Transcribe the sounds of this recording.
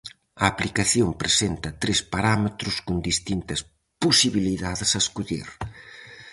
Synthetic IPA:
ɐːplikaθjompɾesent̪ɐt̪ɾespaɾamet̪ɾʊskond̪ist̪int̪ɐs | posiβiliðaðɪsɐeskuʎḭɾ

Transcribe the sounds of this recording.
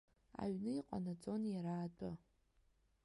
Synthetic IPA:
a̰ɥnɨiqʷʼa̰nat͡sʼo̞njaɾaːtʷʼʊ

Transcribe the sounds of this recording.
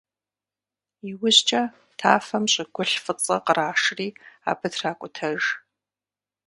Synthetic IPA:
iwʊʑt͡ʃʼɐ | tʰa̰ːfɐmɕʼɪɡʷʊɬfɨt͡sʼɐ̰qəraːʂriːa̰ːbɨdraːkʷʼʊtʰɐʒ

